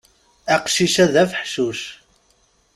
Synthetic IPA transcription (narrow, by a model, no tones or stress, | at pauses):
æqʃiʃæðæfəħʃuʃ